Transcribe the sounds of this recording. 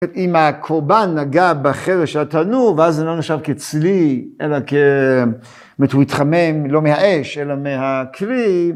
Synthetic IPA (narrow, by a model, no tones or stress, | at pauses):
imakʰoʁbanːaɡabeχeveʃeat̪anuʁveazeloneʃavket͡sliʔelake | metuit̪χamemlo̞mehaʔeʃʔelamehakʰʁi